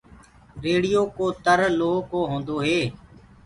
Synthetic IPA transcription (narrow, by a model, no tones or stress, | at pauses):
ɾeːɽijoːkoːt̪əɾloːkoːɦõːnd̪oːɦeː